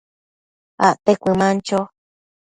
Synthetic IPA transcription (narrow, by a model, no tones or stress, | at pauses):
a̰ʔt̪ekʷɨmãnt͡ʃo